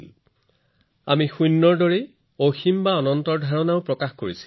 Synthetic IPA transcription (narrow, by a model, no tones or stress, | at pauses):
a̰mixujnːɔɹdɔɹe | oximbaɔnɔntɔɹdʱaɹɔnaʊpɹɔkaxkoɹisi̥l